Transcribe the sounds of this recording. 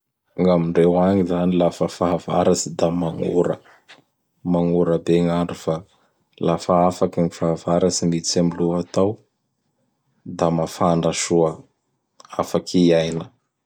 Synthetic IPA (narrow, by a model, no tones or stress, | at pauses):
aŋamiɳɖ͡ʐewaɲizanilafəfaɦava̰ɾasid̪amaŋṵɾə̰ | maŋuɾəbeŋaɳɖ͡ʐufa | lafaafakaŋifaɦavaɾasimit͡samiluat̪aw | d̪amafaɳɖ͡ʐaʃuə | afakʰiajnə